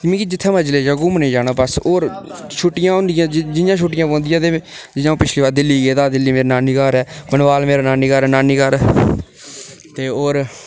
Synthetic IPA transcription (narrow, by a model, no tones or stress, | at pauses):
kɪmĩːkiːd͡ʒɪt̪ʰːẽːməd͡ʒleːd͡ʒaːɡʊmnẽːd͡ʒaːnaːbəsoːɾʃʰʊʈɪjãːɦõːnd̪ɪjãːd͡ʒd͡ʒɪjãːʃʰʊːʈɪjãːpõːnd̪ɪjãːt̪eː | d͡ʒɪjãːpɪt͡ʃleːaːd̪ɪlːiːɡeːd̪aːd̪ɪlːiːmeːɾinaːniːkaːɾɛːbənʋaːlmeːɾaːnaːniːkəɾɛːnaːniːkəɾɛː | t̪eːoːɾ